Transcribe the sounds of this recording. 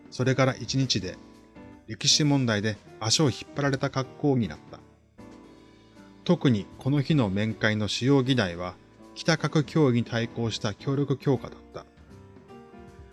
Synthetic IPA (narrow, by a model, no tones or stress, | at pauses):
so̞ɾe̞kaɾaʔit͡ɕiɲ̟it͡ɕid̪e̞̰ | ɾʲe̞kʲiɕimõ̞nd̪aid̪e̞aɕoːçi̥pːaɾaɾe̞t̪akakːo̞ːɲ̟ina̰t̪ːḁ̰ | t̪o̞kɯ̟ɲ̟ikʰo̞no̞çino̞mẽ̞ŋkaino̞ɕijo̞ːɡʲid̪aiβ̞a | kʲi̥t̪akakɯ̟kʲʰo̞ːiɲ̟it̪aiko̞ːɕi̥t̪akʲo̞ːɾʲo̞kɯ̟kʲo̞ːka̰d̪at̪ːa